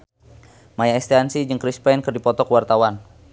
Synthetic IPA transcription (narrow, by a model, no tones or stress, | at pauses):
majaɛst̪ansid͡ʒəŋkɾispɛnkərdipɔt̪ɔkwart̪awan